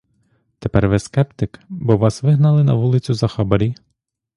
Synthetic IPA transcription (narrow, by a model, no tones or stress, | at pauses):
t̪epɛrʋeskɛpt̪ɪkbɔʋɑsʋɪɦnɐlˠɪnɐʋulˠɪt͡sʲʊzɐxɑbɐɾʲi